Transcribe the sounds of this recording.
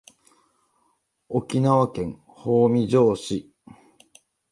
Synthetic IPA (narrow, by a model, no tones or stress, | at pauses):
okʲinaβakẽ̞ŋ | hoːmʲid͡ʑoːɕi